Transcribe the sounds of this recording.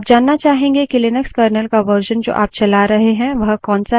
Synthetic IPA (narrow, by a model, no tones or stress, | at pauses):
p̚d͡ʒaːnːat͡ʃaːɦẽːŋɡekɪlɪnəkskəːɾnəlkaʋəɾʃənd͡ʒo̰ːʔa̰ːp̚t͡ʃɐlaɾɐɦeɦɛ̃ʋɐɦkɔ̃ːnsa